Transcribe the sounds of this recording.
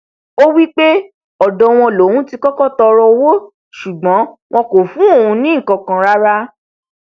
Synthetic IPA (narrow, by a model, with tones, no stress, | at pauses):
o˦wi˦k͡pe˦ | ɔ˨dɔ̃˧w̃ɔ̃˧lo˨˦wũ˦ti˧kɔ˦kɔ˦˨tɔ˧ɾɔ˧wo˦ | ʃu˨ɡ͡bɔ̃˨˦w̃ɔ̃˧ko˨fũ˨˦o˦˨ũ˧nĩ˦˨kã˧kã˧ɾa˦ɾa˦